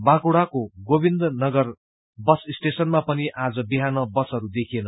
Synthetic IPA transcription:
bãkuɽakoɡobind̪nʌɡʌr | bʌsisʈesʌnmapʌniʔad͡zʌbiɦanʌbʌsʌɾud̪ekʰienʌ

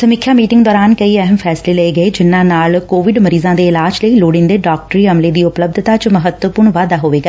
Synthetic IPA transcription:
səmikʰjaːmiːʈɪŋɡd̪ɔːɾaːnkəiːəɦəmpʰɛːsleːləeːɡəeːd͡ʒɪnːãːnaːlkoːʋɪɖməɾiːzãːd̪eːɪlaːd͡ʒləiːloːɽɪ̃nd̪eːɖaːk̚ʈɾiːəmleːd̪iːʊpləb̚d̪ʱt̪aːt͡ʃməɦət̪wəpʊɾɳʋaːd̪aːɦoːʋeːɡaː

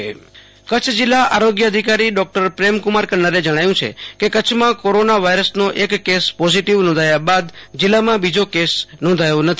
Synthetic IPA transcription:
kət͡ʃʰd͡ʒɪlːaʔaɾoɡjəəd̪ʱikaɾiɖɔk̚ʈəɾpɾemkʊmaɾkənːəɾed͡ʒəɽ̃ajũt͡ʃʰḛkekət͡ʃʰmãkoɾonaʋajɾəsnoʔekːespɔziʈiʋnɔ̃nd̪ʱajabad̪d͡ʒɪlːamãbid͡ʒokesnɔ̃nd̪ʱajonət̪ʰi

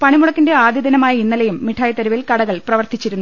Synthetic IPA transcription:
pɐɳimuɽɐkːinde̞aːd̪ʱjɐd̪ʱɐnɐmaːjɐinːɐlɐjumːiʈʰaːjɐt̪ːɐɾɐʋilkɐɽɐɣɐɭprɐʋɐrt̪it͡ɕːiɾunː

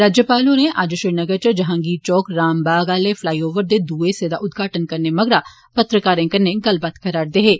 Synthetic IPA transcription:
ɾaːd͡ʒjəpaːlõːneːʔad͡ʒʃɪnəɡəɾt͡ʃəd͡ʒəɦãːɡiːt͡ʃɔːkɾaːmbaːɡaːleːpʰlaːiːoːʋəɾd̪eːd̪uːeːsed̪a̰ːʔʊd̪ɡaːʈənkəɾneːməɡɾaː | pət̪ɾəkaːɾẽːkəɾneːɡəlbat̪kʰəɾaːɽd̪eɦeː

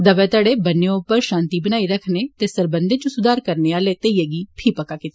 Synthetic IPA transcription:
d̪əʋɛːt̪aɽeːbənːeʊpəɾʃãːnt̪ibəñaːiɾəkʰneːt̪eːsəɾbə̃nd̪et͡ʃũsʊd̪aːɾkəɾneːaːlet̪eijeːɡiːpʰiːpəkaːkɪt̪e

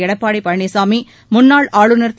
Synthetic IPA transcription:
ɪɽɐpːaːɽɐɪpɐɻɐɳisaːmi | mʊnːaːɭaːɻɯnɐrt̪

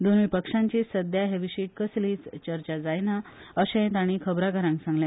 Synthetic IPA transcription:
d̪onʋipəkʂaɲt͡ɕisəd̪ʱjaɦeʋiɕiːʈ̚kəsliːt͡st͡ɕəɾt͡ɕad͡zajnaəɕẽnt̪aɽ̃ikʰəbɾakəɾãŋksãŋɡljã

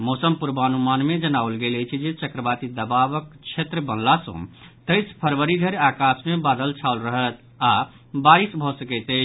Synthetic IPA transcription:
mɔsəmpuɾbəənumanmed͡ʒənaolɡeləjt͡ʃʰid͡ʒet͡ʃəkɾəbat̪id̪əbabəkt͡ʃʰet̪ɾəbənlasə̰̃t̪əɪspʰəɾʋəɾiɡʱəɾeakasmebad̪əlt͡ʃʰaulɾəɦət̪ | a | baɾisbʱɔsəkɛɪt̪ə

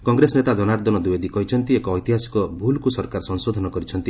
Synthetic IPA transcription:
kɔŋɡɾes̬net̪ad͡ʒɔnaɾd̪ɔnɔd̪ued̪ikɔɦit͡ʃʰɔnt̪iekɔːjt̪iɦasi̥kɔbʱulkusɔɾkaɾɔsɔŋsod̪ʱɔnɔkɔɾit͡ʃʰɔnt̪i

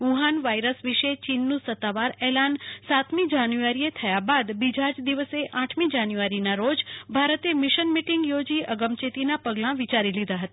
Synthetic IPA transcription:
uɦanʋajɾəsʋiʃet͡ʃinːũsət̪ːaʋaɾɛlansat̪mid͡ʒanjuaɾiet̪ʰəjabad̪bid͡ʒʱad͡ʒd̪iʋəseʔaʈʰmid͡ʒanjuʋaɾinaɾod͡ʒbʱaɾət̪emɪʃənmiʈɪŋɡjod͡ʒiəɡəmt͡ʃet̪inapəɡlãʋit͡ʃaɾilid̪aɦət̪a

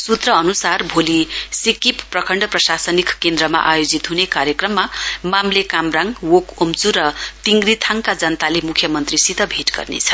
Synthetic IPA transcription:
sut̪rʌʌnusarbʱolisikipːrʌkʰʌɳɖʌprʌsasʌnikkend̪ɾʌma̰ʔajod͡zit̪ɦunekaɾjʌkrʌmːamamlekamraŋwokomt͡suɾʌt̪iŋɡrit̪ʰaŋkad͡zʌnt̪alemukʰjʌmʌnt̪risit̪ʌbʱeʈɡʌ̰rnḛt͡sʰʌ̥

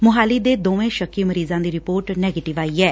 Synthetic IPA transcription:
mʊɦaːliːd̪eːd̪oːʋẽːʃəkʰːiːməɾiːzãːd̪iːɾɪpoːɾʈnɛːɡeːʈɪʋaːiːɛː

